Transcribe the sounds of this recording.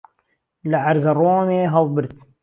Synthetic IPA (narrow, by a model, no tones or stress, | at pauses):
laʕaɾzɑrˤoːmeɦɑðˤbɪɾt̪